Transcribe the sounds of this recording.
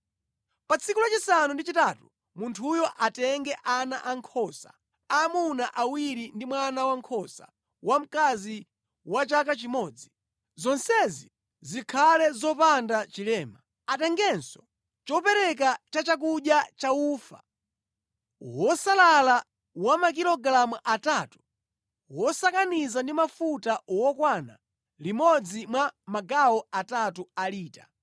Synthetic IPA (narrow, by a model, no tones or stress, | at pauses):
pat͡sʰikulat͡ʃisanundit͡ʃitatu̥ | muntʰujɔʔatɛŋɡɛʔana̰ʔaŋkʰɔsa | amunaʔawiɾindimwanawaŋkʰɔsa̰ | wam̩kazi | wat͡ʃakat͡ʃimɔːd͡zi | zɔnsɛzi | zikʰalɛzɔpandat͡ʃilɛːma | atɛŋɡɛnsɔ̥ | t͡ʃɔpɛɾɛk̬at͡ʃat͡ʃak̬uɗjat͡ʃauːfa̰ | wɔsalala | wamak̬ilɔɡɾamuʔatatu̥ | wɔsakanizandimafutawɔkwana̰ | limɔd͡zimwamaɡawɔatatualiːta